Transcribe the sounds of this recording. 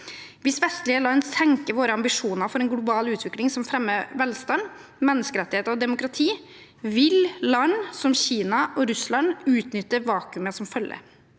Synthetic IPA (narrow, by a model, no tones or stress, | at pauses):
ʋɪsʋɛst̪ɭɪəlɑnːsɛŋkəʋoːɾəɑmbɪʂuːnəɾfɔɾɛnɡlʊbɑːlʉːt̪ʰʋɪklɪŋsɔmfɾɛmːəʋɛlst̪ɑn | mɛnːəskəɾɛt̪ːɪheːt̪ɔd̪ɛmʊkɾɑt̪ʰiː | ʋɪllɑnːsɔmçiːnɑʔɔɾʉslɑnʉːt̪nʏt̪ːəʋɑːkʉməsɔmfœljə̰